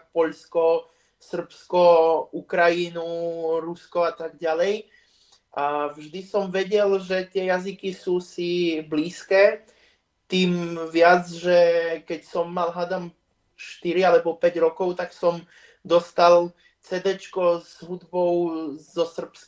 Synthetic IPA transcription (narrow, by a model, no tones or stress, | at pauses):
pɔʎskɔ | sr̩pskɔukɾajinuɾuskɔat̪aɡɟalɛj | avʒd̪isɔmʋɛɟɛlʒɛt̪ɪɛjazikisuːsibliːskɛː | t̪iːmʋɪad͡zʒɛkɛcsɔmːalɦad̪am | ʃt̪iɾialɛbɔpɛɟɾɔkɔʊt̪aksɔm | d̪ɔst̪al | t͡sɛd̪ɛt͡ʃkɔzɦud̪bɔʊzɔsr̩ps